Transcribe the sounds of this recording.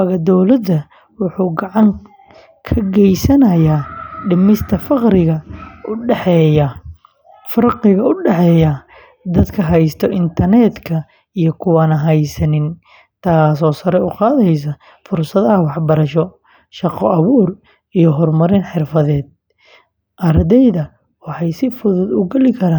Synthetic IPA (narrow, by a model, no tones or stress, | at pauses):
ɑɣɐd̪ɔwlɐd̪ːɐ | wʊħuːɡɑʕɑŋ | kʰɐɡɛjsɐnɐjaːɖɪmɪst̪ʰɐfɑqɾɪɣɐʊɛħɛjɐ | fɐrqɪɣɐʊɖɛħɛːjɐ | d̪ɐd̪kʰɐɦɛjst̪ʰɔʔɪnt̪ʰɐrnɛd̪kʰɐ | ijɔkʰʊwaːnɐɦɛjsɐnɪn | t̪ʰaːsɔːsɐɾɛʊqɑːðɐjs̬ɐ | fʊrsɐðɐɐwɑħbɐɾɐʃɔ | ʃɑqɔʔɐβuːr | ijɔɦɔrmɐɾɪnħɪrfɐðɛːd̪̚ | ʔɐɾd̪ɛjðɐ | wɑħɑjsɪfʊðʊd̪ʊɡɛlɪkʰɐɾaːn